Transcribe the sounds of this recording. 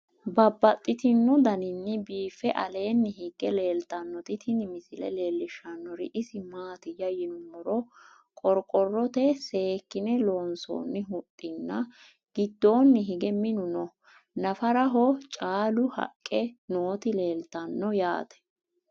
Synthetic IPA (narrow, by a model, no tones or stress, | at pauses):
bɐbːɐt̪ʼːɪt̪ɪnːʊd̪ɐnɪnːɪbiːfɛʔɐ̰le̞ːnːɪɦɪɡːɛle̞ːlt̪ɐnːɔt̪ɪt̪ʰɪnɪmɪsɪlɛ̰le̞ːlːɪʃːɐnːɔɾɪ̰ʔɪsɪmaːt̪ɪjɐjɪnʊmːɔɾɔ | kʼɔɾkʼɔrːɔt̪ɛse̞ːkːɪnɛlo̞ːnso̰ːnːɪɦʊt̪ʼːɪnːɐ | ɡ̥ɪd̪ːo̞ːnːɪɦɪɡɛmɪnʊnɔ | nɐfɐɾɐɦɔt͡ʃʼaːlʊhɐ̰kʼːɛnoːt̪ɪle̞ːlt̪ɐnːɔja̰ːt̪ɛ̥